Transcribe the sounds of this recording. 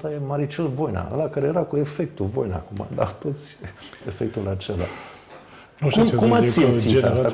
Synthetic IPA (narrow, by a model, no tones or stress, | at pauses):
t̪ajemaɾit͡ʃolvojna̰ə̰lakaɾejeɾakue̞fek̚t̪uvo̰jna̰kuma̰d̪a̰wt̪ot̪sʲefek̚t̪ulat͡ʃela̰ | kumkumasiensia̰st̪a